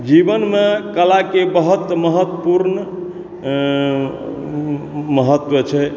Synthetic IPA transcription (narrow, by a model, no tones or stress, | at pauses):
d͡ʒibənmekəlakebəɦət̪məɦət̪puɾn | məɦət̪ːwət͡ʃʰɛ